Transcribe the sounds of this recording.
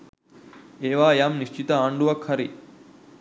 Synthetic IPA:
eːʋaːjaːmniʃt͡ʃit̪ɐaːɳɖuʋɐkʰːɐɾi

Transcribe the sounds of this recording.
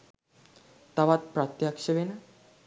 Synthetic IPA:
t̪aʋat̪̚pɾat̪jakʂəʋena

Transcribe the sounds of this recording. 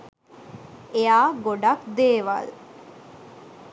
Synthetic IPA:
ejaːɡoɖakd̪eːʋa̰l

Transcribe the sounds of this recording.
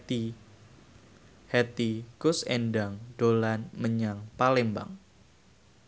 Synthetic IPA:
i | hɛt̪ikʊsɛ̰ndaŋd̥olanməɲaŋpalɛmba̰ŋ

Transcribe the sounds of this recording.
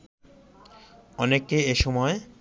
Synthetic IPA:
ɔnekːeeʃɔmɔe

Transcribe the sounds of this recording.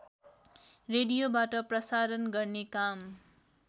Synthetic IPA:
reɽijobaʈʌprʌsaɾʌnɡʌrnekam

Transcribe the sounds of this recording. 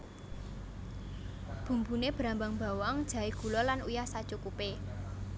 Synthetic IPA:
b̥ṳmbuneb̥ɾambaŋb̥a̤wɔŋd̥ʒ̥ä̤eɡ̥ṳlɔlanujahsad̥ʒ̥ukupe

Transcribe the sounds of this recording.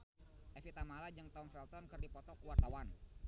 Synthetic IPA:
ʔɛfit̪amalad͡ʒɨŋt̪ɔŋfɛlt̪ɔnkɨrdipɔt̪ɔkuwart̪awan

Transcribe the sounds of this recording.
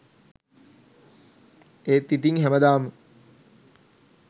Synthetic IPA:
eːt̪ːit̪iŋɦæməd̪aːmə

